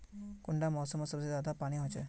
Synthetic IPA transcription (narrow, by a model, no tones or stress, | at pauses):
kuɳɖamɔsɔmɔsɔbsid̪ad̪apaɽ̃iɦɔt͡ʃɔ